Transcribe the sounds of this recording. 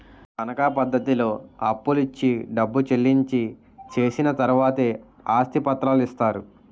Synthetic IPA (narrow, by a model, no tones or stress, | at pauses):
kɐnɐkapɐd̪ːɐt̪ilo̞ːɐpːulit͡ʃːiɖɐbːut͡ʃelːiɲt͡ʃi | t͡ʃe̞ːsinɐt̪ɐɾuʋaːt̪e̞ː | aːst̪ʰipɐt̪ɾaːlist̪aːɾu